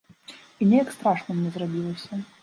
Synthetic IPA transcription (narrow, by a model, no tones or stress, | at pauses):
inʲɛjakst̪ɾaʂnɨmnʲɛzrabʲilˠɐsʲɐ